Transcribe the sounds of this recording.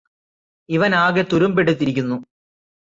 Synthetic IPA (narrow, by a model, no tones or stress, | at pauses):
iʋɐnaːɣet̪uɾumpeɽut̪ːiɾikʲːunːu